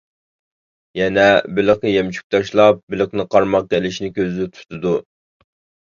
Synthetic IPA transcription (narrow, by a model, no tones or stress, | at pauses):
jɛnɛbɪlɪqnɨjɛmt͡ʃʰy̥k̚ʲt̪ʰɑʃlˠɑp̚bɪlɪqnɨqʰɑɾmɑq̚kɛlɪʃnɪkʲøzɪt̪ʰu̥t̪ʰɨd̪u